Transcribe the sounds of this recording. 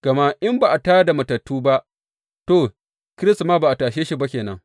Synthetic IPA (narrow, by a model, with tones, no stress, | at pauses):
ɡ̥ɐ˨ma˦ʔɪ˦mba˨ʔa˨taː˦da˨mɐ˨tɐ˨tːuː˦ba˦ʔ | toː˦˨ | kʲɪ˦ɾɪ˦stmaː˦ba˨ʔa˨taː˨ʃeː˦ʃi˦ba˦kʲeː˨nɐ̰˦ŋ